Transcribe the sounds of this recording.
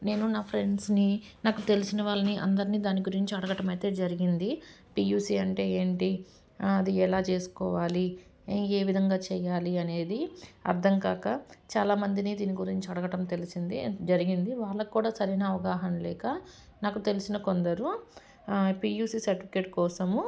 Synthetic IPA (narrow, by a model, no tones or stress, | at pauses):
ne̞ːnunaːpʰɾe̞ɳɖsninaːkut̪e̞lisinɐʋaːɭːɐniʔɐ̰nd̪ɐɾiniːd̪aːniɡuɾiɲt͡ʃiɐɽɐɡɐʈɐmɐjt̪e̞ːd͡ʒɐɾiɡind̪i | piːjuːsiːɐɳʈe̞ːeːɳʈi | ɐd̪iɛlaːt͡ʃe̞ːsu̥kɔːʋaːli | eːʋid̪ʱɐŋɡaːt͡ʃɛːjaːliɐne̞ːd̪iɐ̰ɾd̪ʱɐŋkaːkɐt͡ʃaːlaːmɐnd̪iniːd̪iːniɡuɾiɲt͡ʃiɐɽɐɡɐʈɐmt̪e̞lisind̪id͡ʒɐɾiɡind̪iʋaːɭːɐkkːuːɽaːsɐɾeːnɐːʋɐɡaːɦɐnlɛːkɐ | naːkut̪e̞lisinɐko̞nd̪ɐɾu | piːjuːsiːsɐɾʈipʰi̥ke̞ʈ̚kɔːsɐmu